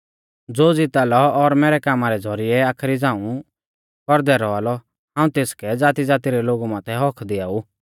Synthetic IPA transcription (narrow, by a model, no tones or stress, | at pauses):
d͡zoːd͡zɪt̪alɔɔɾmɛːɾɛkaːmaɾɛd͡zʱɔɾɪɛaːkʰɾid͡zãːũ | kɔɾd̪ɛɾɔaːlɔ | ãːũt̪eːskɛd͡zaːt̪id͡zaːt̪iɾɛloːɡumãːt̪ʰɛɦɔkʰd̪ɪaːu